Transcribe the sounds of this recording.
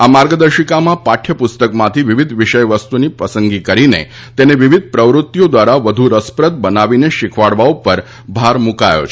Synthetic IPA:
amaɾɡəd̪əɾʃikamãpaʈʰjəpʊst̪əkmãt̪ʰiʋiʋid̪ʱʋiʃəjʋəst̪unipəsəŋɡikəɾinḛ | t̪eneʋiʋid̪̚ʱpɾəʋɾut̪ːjod̪ʋaɾaʋəd̪ʱuɾəspɾət̪̚bənaʋineʃɪkʰʋaɽʋaupəɾ | bʱaɾmukajo̰t͡ʃʰ

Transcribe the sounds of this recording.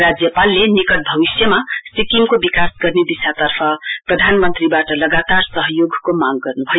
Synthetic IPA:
ɾad͡zjʌpalːenikʌʈ̚bʱʌbisjʌmasikimkobikasɡʌrneb̪isat̪ʌrpʰʌprʌd̪ʱanmʌnt̪ribaʈʌlʌɡat̪arsʌɦʌjoɡkomaɡɡʌrnubʱʌj

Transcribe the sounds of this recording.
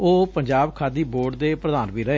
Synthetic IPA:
oːpəɲd͡ʒaːbkʰaːd̪iːboːɖd̪eːpɾəd̪aːnʋiːɾəeː

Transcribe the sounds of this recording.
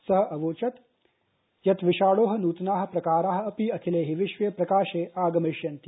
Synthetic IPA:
sɐɦɐ̆ʔɐʋoːt͡ʃɐt̪ | jɐt̪ʋiʃaːɭoːɦɐnuːt̪naːɦɐ̆pɾɐkaːɾaːɦɐ̆ɐpiɐkʰileːɦiʋiʃʋeːpɾɐkaːʃeːʔaːɡɐmiʃjɐnt̪i

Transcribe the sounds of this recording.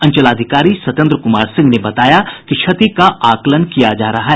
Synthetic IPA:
ɐ̃nt͡ʃəlaːd̪ʱɪkaːɾiswɐt̪ə̃nd̪ɾəkʊmaːɾsɪ̃ŋɡnebɐt̪aːjakit͡ʃʰɐt̪ikaaːklənkijad͡ʒaːɾɐɦaɦɛ

